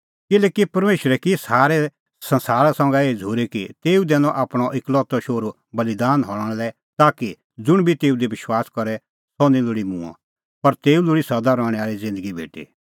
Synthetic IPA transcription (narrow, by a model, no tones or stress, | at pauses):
kɪlɛːkipɐɾmeːʃɾɛkisaːɾɛ | sɐ̃nsaːɾasɔ̃ŋɡɛeːd͡zʱuːɾekit̪eːud̪ɛːnɔ̃ʔaːpɽ̃ɔʔɪklɔːt̪ɔʃoːɾu | bɐlid̪aːnɦɔɽ̃ɽ̃lɛ | t̪aːki | d͡zʊɽ̃bʱit̪eːud̪eʋɪʃwaːskɔɾɛ | sɔnĩlʊɽimṵ̃ã̰ | pɐɾt̪eːulʊɽisɐd̪aɾɔːɽ̃ɛ̃aːɾizɪ̃nd̪əɡibʱḛːʈḭː